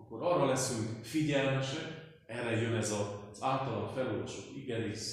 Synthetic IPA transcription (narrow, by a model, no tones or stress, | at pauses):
ɒkːoɾɒrːɒlɛsːho̞ɟfiɟɛlmɛʃɛk | ɛrːɛjønɛzɒz̥aːlt̪ɒlɒfɛloːrvɒʃokiɡɛniʃ